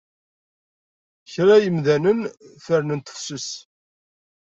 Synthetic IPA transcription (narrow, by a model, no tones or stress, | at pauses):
çɾæjəmðænənθəɾnənt̪ə̥fsʊs